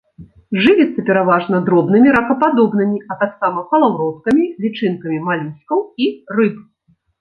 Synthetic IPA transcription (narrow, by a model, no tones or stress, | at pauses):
ʐɨvʲit̪sːɐpʲɛɾavaʐnɐd̪ɾɔbnɨmʲiɾɐxɐpad̪ɔbnɨmʲiɐt̪aksamɐpɐlˠawɾɔt̪kɐmʲilʲit͡ʂɨnkɐmʲimalʲisʲkɐwirɨp